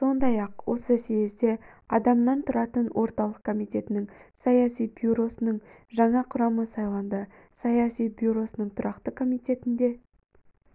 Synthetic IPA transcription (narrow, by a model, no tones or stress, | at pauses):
so̞nd̪ɑjɑqwo̞səsejzd̪e̞ | ɑd̪ɑmnɑnt̪ʰʊɾɑt̪ənwʔo̞ɾt̪ɑlˠəq̚kʰomijt̪e̞t̪ɪnɪŋsɑjɑsijbjuɾo̞sənəɴ | ʒɑɴɑqʰʊɾɑməsɑjlˠɑnd̪ə | sɑjɑsijbjuɾo̞sənəɴt̪ʰʊɾɑqt̪əkʰo̞mijt̪e̞t̪ɪnd̪e̞